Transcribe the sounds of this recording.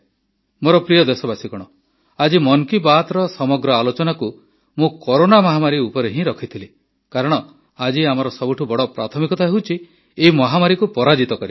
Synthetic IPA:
moɾɔpɾijɔd̪esɔbasikɔɽ̃ɔ | ad͡ʒimɔŋkibat̪ɾɔsɔmɔɡɾɔalot͡ʃɔnaku | mũkɔɾonamɔɦamaɾiupɔɾeɦĩɾɔkʰit̪ʰili | kaɾɔɽ̃ɔ | ad͡ʒiamɔɾɔsɔbuʈʰubɔɽɔpɾat̪ʰɔmikɔt̪aɦewt͡ʃʰi | eɦimɔɦamaɾikupɔɾad͡ʒit̪ɔkɔɾi

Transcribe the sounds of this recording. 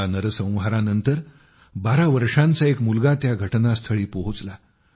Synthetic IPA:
anəɾəsə̃w̃ʋɦaɾanənt̪əɾ | baɾaʋəɾʂãnt͡saekmulɡat̪jaɡʱəʈnast̪ʰəɭiːpoɦut͡sla

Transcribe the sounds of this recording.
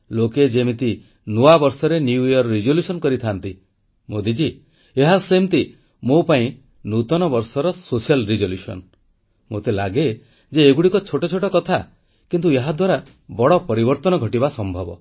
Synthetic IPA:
loked͡ʒemit̪i | nuabɔɾsɔɾenuujɔɾɾid͡ʒoljusɔnkɔɾit̪ʰant̪i | mod̪id͡ʒi | eɦasemt̪i | mopaĩ | nut̪ɔnɔbɔɾsɔɾɔsosijalɾid͡ʒoljusɔ̰n | mot̪ela̰ɡe | d͡ʒeːɡuɽikɔt͡ʃʰoʈɔt͡ʃʰoʈɔkɔt̪ʰa | kint̪ueɦad̪waɾa | bɔɽɔpɔɾibɔɾt̪ɔnɔɡʱɔʈibasɔmbʱɔbɔ

